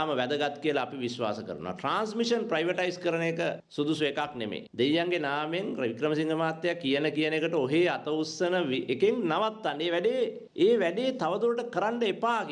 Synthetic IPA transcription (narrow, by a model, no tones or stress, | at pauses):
məʋæd̪əɡat̪kijəlaːpiʋisʋa̰ːsəkə̰ɾəno̰ʋa̰ʈɾaːnsmiʂənpɾajʋəʈajiskəɾənekəsud̪usʋeːkaknemḛːd̪ejːaŋɡenaːmeŋɾʋikɾəməsiŋɡəmaːt̪ːejakːijənəkijənekəʈəoɦeːat̪əusːənəʋiekeŋnaʋat̪ːaneːʋæɖeː | eːʋæɖeːt̪aʋəd̪uɾəʈəkəɾaɳɖəepaːk